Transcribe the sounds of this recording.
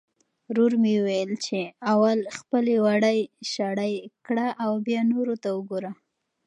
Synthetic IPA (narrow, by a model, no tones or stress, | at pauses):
ɾoɾmewajəlt͡ʃeawalxpəlewaɽəjʃaɽəjkɽaʔːwbjɑnoɾot̪awəɡoɾa